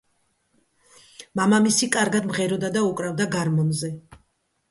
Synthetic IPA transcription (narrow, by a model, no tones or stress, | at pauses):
mamamisikʼaɾɡad̪mʁɛɾɔd̪ad̪aukʼɾavd̪aɡaɾmɔnzɛ